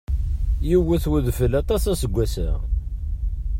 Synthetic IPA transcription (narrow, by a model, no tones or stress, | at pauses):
jiwəθwəðfəlɑt̪ˤɑsæsəɡʷːæsə̰ʁ